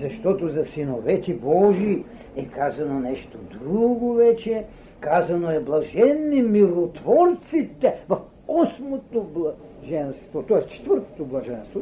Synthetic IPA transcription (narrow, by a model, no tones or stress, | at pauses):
zɐʃt̪ɔt̪ozɐsinovɛt̪ʲibɔʒi | ɛkazɐnonɛʃt̪od̪ɾuɡovɛt͡ʃɛ | kazɐnoɛblˠɐʒɛnːimilˠot̪vɔɾt̪sit̪ɛvɐf | ɔsmot̪oblˠa | ʒɛnst̪vot̪ɔɛst͡ʃɛ̥t̪vəɾt̪o̥t̪oblˠɐʒɛnst̪vo